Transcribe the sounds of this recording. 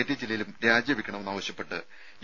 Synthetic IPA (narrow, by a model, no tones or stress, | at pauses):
et̪ːiɐd͡ʑilːɐjilumɾaːd͡ʑjɐmʋikʲːɐɳɐmenːaːʋɐɕjɐpːe̞ʈːɨ